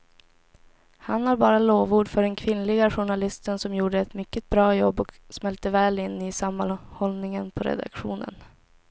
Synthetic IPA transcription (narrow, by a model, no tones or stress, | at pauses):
hanaɾbɑːɾaloːvuːɖfœɖɛnkʰvɪnːlɪɡaɧʊɳalɪst̪ənsɔmjuːɖəɛt̪mʏkːət̪̚bɾɑːjɔbːɔksmɛlt̪əvɛːlɪnːɪsamːanhɔlnɪŋənpʰɔɾɛ̰d̪a̰kɧṵːnə̰n